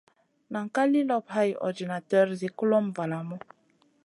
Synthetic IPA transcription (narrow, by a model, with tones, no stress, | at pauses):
na˨ŋ̩˨ka˦li˦lɔ˦pha˦jɔ̰˨di˨na˨tɛ˦ɾzi˨ku˦lɔ˦mva˨la˨mɔ˦